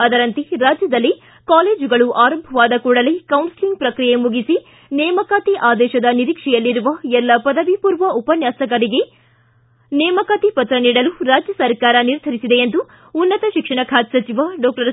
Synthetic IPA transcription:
ɐd̪ɐɾɐnt̪iɾaːd͡ʒjɐd̪ɐlːi | kaːleːd͡ʒuɡɐɭuʔaːɾɐmbʱɐʋaːd̪ɐkuːɽɐlekɐwnsiliŋɡpɾɐkɾijemuɡisi | nɛːmɐkaːt̪iʔaːd̪ɛːʃɐd̪ɐniɾiːkʂɛjɐlːiɾuʋɐɛlːɐpɐd̪ɐʋipuːɾʋɐupɐnjaːsɐɡɐɾiɡe̞ | nɛːmɐkaːt̪ipɐt̪ɾɐniːɽɐluɾaːd͡ʒjɐsɐɾkaːɾɐniɾd̪ʱɐɾisid̪eːnd̪uː | nːɐt̪ɐʃikʂɐɳɐkʰaːt̪sɐt͡ʃiʋaɖɔːk̚ʈɐɾ

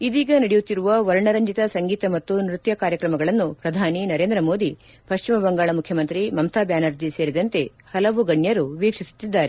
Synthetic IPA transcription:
id̪iːɡɐnɐɽejut̪ːiɾuʋɐʋɐɾɳɐɾɐɲd͡ʒit̪ɐsɐŋɡiːt̪ɐmɐt̪ːunɾut̪jɐkaːɾjɐkɾɐmɐɡɐɭɐnːupɾɐd̪ʱaːninɐɾe̞ːnd̪ɾɐmoːd̪i | pɐʃt͡ʃimɐbɐŋɡaːɭɐmukʰjɐmɐnt̪ɾimɐmt̪ʰaːbjaːnɐɾd͡ʒise̞ːɾid̪ɐnt̪e̞ | hɐlɐʋuɡɐɳjɐɾuʋiːkʂisu̥t̪ːid̪ːaːɾe

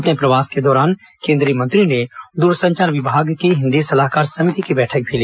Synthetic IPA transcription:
ɐpnepɾɐʋaːsked̪ɔːɾaːn | kẽːnd̪ɾiːəmə̃nt̪ɾined̪uːɾsə̃ɲt͡ʃaːɾʋɪbʱaːɡkiɦɪ̃nd̪isɐlaːɦkaːɾsɐmɪt̪ikibɛːʈʰək̚bʱiliː

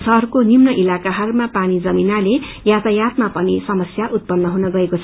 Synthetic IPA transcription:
sʌɦrkonimnʌʔilakaɦʌrmapanid͡zʌminalejat̪ajat̪̚mapʌnisʌmʌsjaʔut̪̚pʌnːʌɦunʌɡʌekot͡sʰʌ

